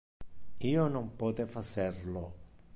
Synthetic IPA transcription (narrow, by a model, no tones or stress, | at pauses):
iːonompɔːt̪efaserlo